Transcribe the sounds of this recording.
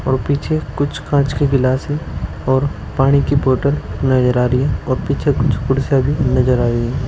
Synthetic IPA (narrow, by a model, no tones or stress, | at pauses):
ɔːɾpiːt͡ʃʰekʊt͡ʃʰkãːt͡ʃkiɡɪlaːsɛ̃ | ɔːɾ | paːɽ̃ikiboːʈəlnɐd͡ʒəɾaːɾiɛ̃ɔːɾpiːt͡ʃʰekʊt͡ʃʰkʊɽsabʱinɐd͡ʒəɾaːɾiɛ̃ː